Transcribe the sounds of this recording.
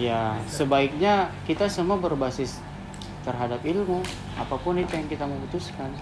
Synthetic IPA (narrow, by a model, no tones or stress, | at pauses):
jasəbaɪk̚ɲakit̪asəmuabərbasɪs | t̪ərɦadapilmu | apapʊnit̪ujaŋkit̪aməbut̪uskan